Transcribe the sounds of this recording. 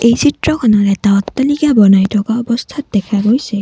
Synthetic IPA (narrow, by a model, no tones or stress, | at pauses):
ejsitɹɔkʰɔnɔɾɛtaɔt̪ːalikabɔnajtʰɔkaɔbɔst̪ʰat̚d̪ɛkʰaɡojse